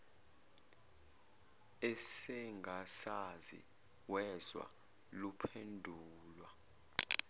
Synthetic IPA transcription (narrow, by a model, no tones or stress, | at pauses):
ɛsɛŋɡʱasazḭ | wɛzwa̰ | lupʰendʱuːlwa